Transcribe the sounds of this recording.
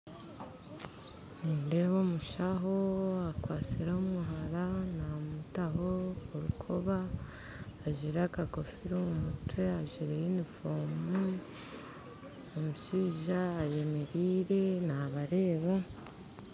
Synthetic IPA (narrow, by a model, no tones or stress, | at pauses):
ninde̞βo̞ːmuʃaɦo̞akwaːt͡siɾaumuɦaɾanamutaɦo̞ːɾukʰo̞βaː | ʒiɾakako̞fiɾomumutwe̞aʒiɾejinifoːmu | omuʃiːʒaːje̞me̞ɾiːɾe̞naβaɾe̞ːβa